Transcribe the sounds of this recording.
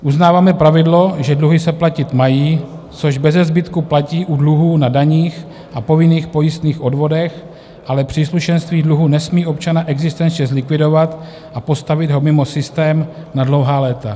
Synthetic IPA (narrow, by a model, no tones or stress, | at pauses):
ʔuznaːvaːmɛpɾavɪdlo̞ʒɛdluɦɪsɛplacɪt̪majiː | t͡so̞ʒbɛzɛzbɪt̪kuplaciːʔudluɦuːnadaɲiːx | ʔapo̞vɪniːxpo̞jɪst̪niːxʔodvo̞dɛx | ʔalɛpr̝̥iːsluʃɛnst̪viːdluɦuːnɛsmiːʔo̞pt͡ʃanaʔɛɡzɪst̪ɛnt͡ʃɲɛzlɪkvɪdo̞vat̪ | ʔapo̞st̪avɪd̪ɦo̞mɪmo̞sɪst̪ɛːmnadlowɦaːlɛːt̪a